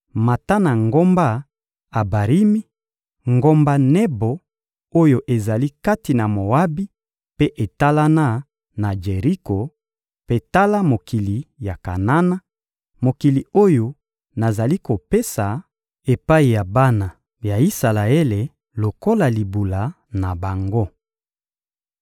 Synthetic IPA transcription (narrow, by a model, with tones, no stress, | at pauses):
ma˨ta˦na˨ŋɡo˦mba˦ | a˨ba˨ʁi˦mi˦ | ŋɡo˦mba˦nɛ˦bo˨ | o˦jo˨ʔe˨za˨li˦ka˦ti˨na˨mo˨wa˦bi˦ | pe˦ʔe˨ta˦la˦na˦ | na˨d͡ʒe˨ʁi˦ko˨ | pe˦ta˦la˦mo˨ki˨li˨ja˨ka̰˨na˦na˦ | mo˨ki˨li˨o˦jo˨ | na˨za˨li˦ko˨pe˦sa˨ | e˨pa˦i˨ja˨ba˦na˨ | ja˨i˦sa˨la˨e˦le˨ | lo˨ko˦la˨li˨bu˨la˨ | na˨ba˨ŋɡo˦